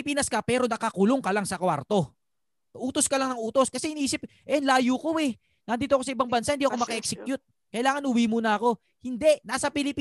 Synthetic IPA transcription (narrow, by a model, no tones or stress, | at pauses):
ɪpiːnɐskɐpɛːɾo̞nɐkɐkʊloŋkɐlaŋsɐkwa̰ɾt̪o̞ | ʔuːt̪oskɐlɐŋnɐŋʔuːt̪o̞skɐsɛhɪniːsɪp̚ʔɛnlaːjukoɛ | nɐnd̪iːt̪oɐko̞sɐʔɪbaŋbɐnsahɪnd̪iːʔɐkomɐkɐʔɛk̚sɛkjʊt̪̚ | kɐʔɪlaːŋɐnʔʊwimuːnɐɐko̞ | hɪnd̪ɛʔnaːsɐpɪlɪpiː